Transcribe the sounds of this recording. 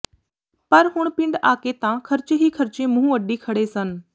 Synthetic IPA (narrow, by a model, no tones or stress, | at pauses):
pɐɾɦʊɽ̃pɪ̃ɳɖaːket̪ãkʰɐɾt͡ʃeɦikʰɐɾt͡ʃemʊ̃ɦũʋɐɖikʰɐɽesən